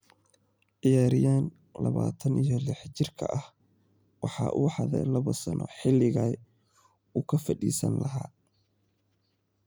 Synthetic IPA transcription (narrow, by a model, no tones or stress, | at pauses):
ʔɪjaːɾɪjaːn | lɐβaːt̪ʰɐnijɔlɪħt͡ʃɪrkʰɐʔɐh | wɑħɑːʔuːħɑðɛ̰lɐβɔsɐnʔɔ̰ħɪlːɪɣaː | uːkʰɐfɐɗiːsɐ̰nlɐɦaː